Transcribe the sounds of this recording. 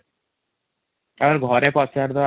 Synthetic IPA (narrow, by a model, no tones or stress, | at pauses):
abaɾɡʱɔɾepɔsaɾd̪ɔ